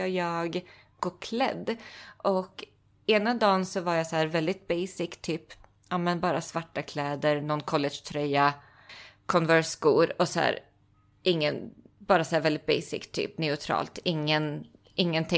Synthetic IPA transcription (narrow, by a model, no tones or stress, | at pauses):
əjɑːɡ | ɡoːkʰlɛ̰d̪ːʔɔk | eːnad̪ɑːnsɔvaɾjasɔhæːɾvɛld̪ɪt̪̚bɛjsɪkt̪ʰyːp | ʔamɛnbɑːɾasvaʈːakʰlɛːd̪əɾnɔnkʰɔlːɛʂt̪ʰɾœja | kʰɔnvœɾʂɡuːɾɔsɔhæ̰ːɾ | ʔɪŋːənbɑːɾasɔhæːɾvɛld̪ɪt̪̚bɛ̰jsɪ̰kt̪ʰːy̰ːpnɛʊt̪ʰɾɑ̰ːlt̪ɪŋːən | ʔɪŋːənt̪ʰɪ